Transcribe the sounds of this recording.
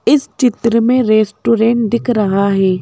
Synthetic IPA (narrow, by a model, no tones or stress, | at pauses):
ɪst͡ʃɪt̪ɾəmẽːɾeːsʈoːɾẽːɳʈ̚d̪ɪkʰɾəɦaːɦɛː